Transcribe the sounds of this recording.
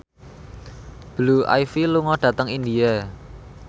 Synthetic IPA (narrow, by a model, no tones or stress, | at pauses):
b̥luʔa̰jfiluŋɔɖ̥ä̤t̪əŋind̪ia